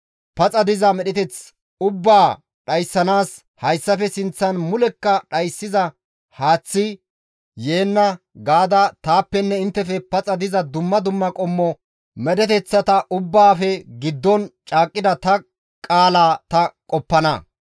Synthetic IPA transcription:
pɐt͡sʼɐd̪ɪzɐmɛɗɛt̪ɛt͡s | ʊbːaː | ɗɐjsːɐnaːs | hɐjsːɐfɛsɪnt͡sːɐnmʊlɛkːɐɗɐjsːɪzɐ | haːt͡sːɪ | jeːnːɐ | ɡaːd̪ɐt̪aːpːɛnːɛɪnt̪ːɛfɛpɐt͡sʼɐd̪ɪzɐd̪ʊmːɐd̪ʊmːɐkʼɔmːɔ | mɛɗɛt̪ɛt͡sːɐt̪ɐʔʊbːaːfɛɡɪd̪ːɔnt͡ʃʼaːkʼːɪd̪ɐt̪ɐ | kʼaːlaːt̪ɐkʼɔpːɐnɐ̰

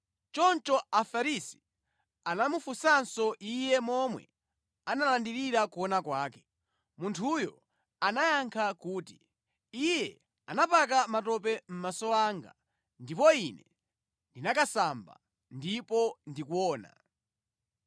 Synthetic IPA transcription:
t͡ʃɔnt͡ʃɔafaɾisi̥ | anamufusansɔʔijɛmɔmwɛ̰ | analandiɾiɾakuɔnakwaːkɛ̥ | muntʰujɔ | anajaŋkʰakuːti | ijɛ | anapak̬amatɔp̬ɛm̩masɔaŋɡa̰ | ndipɔinɛ | ndinakasamba̰ | ndipɔndikuɔːna̰

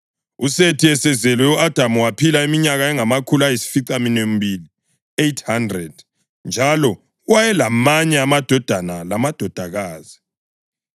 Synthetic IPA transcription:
usetʰiɛsɛzɛlwɛuʔad̥ʱamuwapʰilaimiɲaɣaɛŋamakʰulajisi̥fiǀaminem̩bili | ejtʰhandrɛd̥ | nd͡ʒʱalɔ | wajɛlamaɲɛamad̥ʱɔd̥ʱanalamad̥ʱɔd̥ʱaɣaːzi

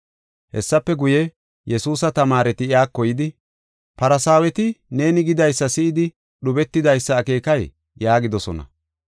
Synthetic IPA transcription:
hɛ̰sːɐpːɛɡʊjɛ | jɛsuːsɐt̪ɐmaːɾɛt̪ɪɪaːkːɔjɪd̪ɪ | pɐɾɐsaːwɛt̪ɪne̞ːnɪɡɪd̪ɐjsːɐsɪʔɪd̪ɪ | ɗʊbɛt̪ːɪd̪ɐjsːɐːke̞ːkɐj | jaːɡɪd̪ɔsɔnɐ̰

